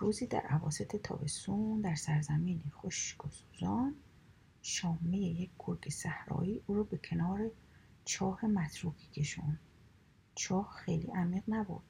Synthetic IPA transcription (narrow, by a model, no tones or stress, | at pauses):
ɾuːziːd̪æ̰ɾʔævɒ̰ːse̞t̪ʰe̞t̪ʰɒ̰ːbe̞st̪und̪æɾsæɾzæmiːnixoʃkosuːzɒːn | ʃɒːmejejec̚ʰɡ̥oɾɡesæhɾɒ̰ːiːʔuːɾɔːbe̞cʰe̞nɒːɾet͡ʃʰɒːhe̞mæt̪ʰɾuːkiːcʰe̞ʃṵn | t͡ʃʰɒːhxejlḭːʔæmiːɣnæbṵɾd̪̥